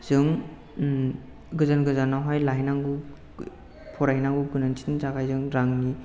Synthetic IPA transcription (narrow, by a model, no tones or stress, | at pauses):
z̥ɯŋ | ɡɯzanɡɯzanːawɦajlaɦjnaŋɡu | pʰɔɾaɦnaŋɡuɡɯnansʰi̥nzaɡajzɯŋɾaŋni